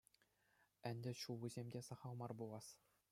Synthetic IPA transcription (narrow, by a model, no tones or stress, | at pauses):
ænʲd̪ʲɘ̆ɕulˠɘzʲemʲdʲesɑχɑlˠmɑrbulˠɑs